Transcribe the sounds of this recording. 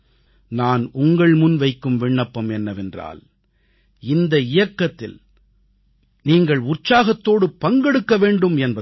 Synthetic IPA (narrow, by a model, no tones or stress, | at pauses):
naːnʊŋɡɐɭmʊnʋɐɪkːɯmʋɪɳːɐpːɐmɛnːɐʋɛndra̰ːl | ɪnd̪ɐɪjɐkːɐt̪ːɪ̰l | niːŋɡɐɭʊrt͡ʃaːɣɐt̪ːoːɽɯpɐŋɡɛɽɯkːɐʋeːɳɖɯmɛnbɐ